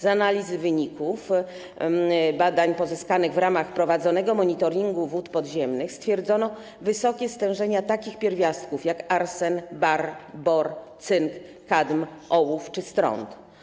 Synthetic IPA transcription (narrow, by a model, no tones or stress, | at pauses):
zanalʲizɘvɘɲikuf | bad̪aɲpɔzɘskanɘɣvɾamaxpɾɔvad̪zɔnɛɡɔmɔɲit̪ɔɾʲiŋɡuvut̪pɔd̪ʑɛmnɘxst̪fʲjɛɾd̪zɔnɔ | vɘsɔkʲɛst̪ɛ̃w̃ʐɛɲat̪akʲixpʲjɛɾvʲjast̪̚kufjakaɾsɛnbaɾbɔɾt̪sɘŋkː | ad̪mʔɔwuft͡ʂɘst̪ɾɔ̰nt̪